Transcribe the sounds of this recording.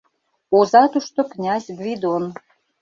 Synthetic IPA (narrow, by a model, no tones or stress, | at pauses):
ozɑt̪uʃt̪oknʲɑzʲbβid̪on